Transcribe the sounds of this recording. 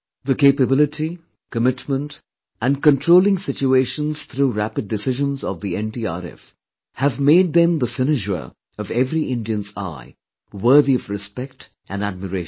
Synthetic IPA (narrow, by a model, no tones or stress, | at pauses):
ðəkeɪpɨbɪlˠɨʈʰi | kəmɪtmə̃nt | ɨ̃nkə̃ntʰɹ̥oʊlˠɪ̃ŋsɪt͡ʃueɪʃə̃nz̥t̪ɾuɾæpɨd̚ɨsɪʒə̃nzʌvðiɛ̃ntia̰ɾɛ̰f | hɨvmeɪd̪̚ðɨ̃mðəfɪnɪd͡ʒə̰ | ʌvɛvɾiʔɪ̃ndiɨ̃nza̰ɪ | wə˞ðiʌvɹɨspɛk̚t | ʔɨ̃næd̚məɾeɪ